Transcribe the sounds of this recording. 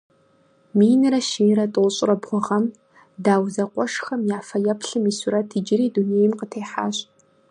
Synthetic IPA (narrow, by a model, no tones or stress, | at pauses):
miːnɨɾɐʃiɾɐtʼɨwɕʼɪrɐbʁʷʊʁɐm | daːwzɐqʷʼɔʂxɐmjaːfɐjɛpʰɬɨmiːsʊɾɐtʰid͡ʒɪɾiːduneːjmqətʰeːħa̰ːɕʼ